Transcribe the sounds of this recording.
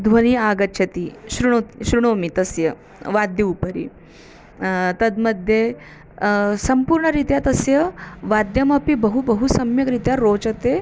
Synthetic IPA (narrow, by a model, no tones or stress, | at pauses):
d̪ʱʋɐñiaɡɐtːɕʰɐt̪iɕɾuɳoɕɾuɳ̃omit̪ɐsjə | ʋad̪ʱjɐupəɾḭ | t̪ɐd̪məd̪ʱje | sɐmpuɾɳəɾit̪jat̪ɐsjəʋad̪jɐmapibəɦubəɦusɐmjəkɾit̪jaɾoːt͡ʃɐt̪e